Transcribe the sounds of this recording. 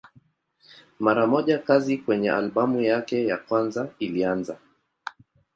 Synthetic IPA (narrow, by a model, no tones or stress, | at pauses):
maɾamɔʄakazikwɛɲɛʔa̰lɓamujakɛjakwanzailianza